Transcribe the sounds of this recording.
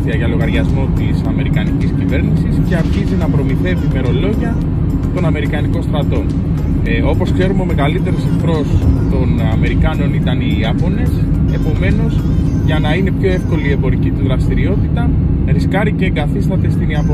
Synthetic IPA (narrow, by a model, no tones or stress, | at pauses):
θiɐʝɐlo̞ɣɐɾʝɐzmo̞t̪isɐme̞ɾikɐniciscive̞ɾnisisce̞ɐɾçizinɐpɾo̞miθe̞viːme̞ɾo̞lo̞ʝiɐ | t̪o̞nɐme̞ɾikɐniko̞nst̪ɾɐt̪o̞n | o̞po̞skse̞ɾumeo̞me̞ɣɐlit̪e̞ɾosekθɾo̞st̪o̞nɐme̞ɾikɐno̞nit̪ɐniɐpo̞ne̞s | e̞po̞me̞no̞z | ʝɐnɐine̞pço̞e̞fko̞lie̞mbo̞ɾicit̪izðɾɐst̪iɾio̞t̪it̪ɐ | ɾiskɐɾice̞ɡɐθist̪ɐt̪e̞st̪iniɐpo